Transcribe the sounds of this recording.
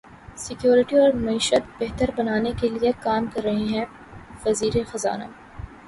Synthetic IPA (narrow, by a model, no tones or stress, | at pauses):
sɪkjoːɾɪʈiɔːɾmɐiːʃət̪̚bɛɦt̪əɾbɐnaːnekeliekaːmkɐɾːɐɦiɦɛ̃ | fɐziːɾexɐza̰ːna̰ː